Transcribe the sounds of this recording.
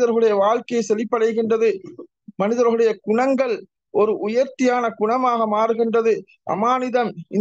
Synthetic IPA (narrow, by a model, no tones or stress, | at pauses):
ðɐɾɣɯɽɐjɐʋaːɭkɐjɐsɛlːɪpːɐɽɐjɣɪndrɐðɯ | mɐnɪðɐɾɣɯɽɐjɐɡʊɳɐŋɡɐɭ | ʔɔɾɯʔʊjɐɾt̪ːɪjaːnɐɡʊɳɐmaːɣɐmaːɾɯɣɪndrɐðɯ | ʔɐ̰maːnɪðɐmɪ